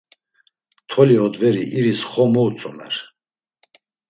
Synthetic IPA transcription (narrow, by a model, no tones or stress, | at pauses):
t̪ʰɔliɔd̪vɛɾiʔiɾisχɔmɔut͡sʼɔmɛ̰ɾ